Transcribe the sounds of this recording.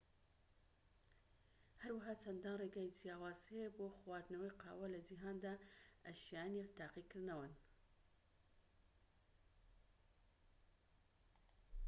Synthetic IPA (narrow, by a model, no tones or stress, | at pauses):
hɐɾwaɦaːt͡ʃɐnd̪aːnreːɡaːjd͡ʒijaːwaːzeboːxwaːɾd̪nɐwejqʰɑ̰ːwɐlɐd͡ʒiɦaːnd̪aːʔɐʃijaːnit̪ʰaːqikɨɾnɐwɨn